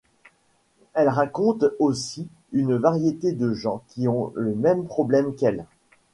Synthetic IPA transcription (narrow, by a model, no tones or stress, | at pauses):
ɛlʁakɔ̃t̪osi | ynvaʁjet̪ed̪əʒɑ̃kʲiɔ̃ləmɛmpχɔblɛmkɛl